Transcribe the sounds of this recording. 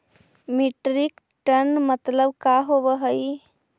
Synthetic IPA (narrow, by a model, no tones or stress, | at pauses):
miʈɾik | ʈənmət̪ləbkaɦobəɦəj